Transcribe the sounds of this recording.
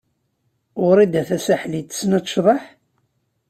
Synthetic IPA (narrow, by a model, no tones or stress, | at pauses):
ʊɾˤid̪æθæsæħlit̪ːə̥snæʃðˤɑħ